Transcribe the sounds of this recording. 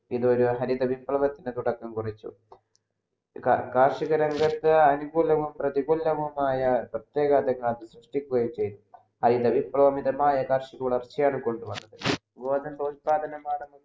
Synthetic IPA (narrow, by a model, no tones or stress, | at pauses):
iðo̞ɾuɦɐɾid̪ɐʋiprɐʋɐt̪ːinɨt̪uɽɐkːɐmkurit͡ɕːṵ | kkaːrʂiɣɐɾɐŋɡɐt̪ːɨɐnuɡuːlɐʋumprɐðiɡuːlːɐʋumaːjɐprɐt̪je̞ːɣaːd̪ɐŋːɭt̪ːɐsruʂʈikʲːuɣɐjimt͡ɕe̞jt̪u | hɐɾiðɐʋiprɐʋɐmiðɐmaːjɐkaːrʂiɣuɭɐrt͡ɕːijaːɳɨko̞ɳɖɨʋɐnːɐðɨ | ɡoːd̪ɐnpɐt̪paːd̪ɐnɐmaːɽɐmu